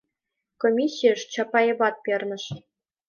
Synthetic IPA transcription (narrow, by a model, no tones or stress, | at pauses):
komʲisʲːijɤ̆ʂt͡ɕɑpɑeβɑt̪̚pʲĕrnɤ̆ʃ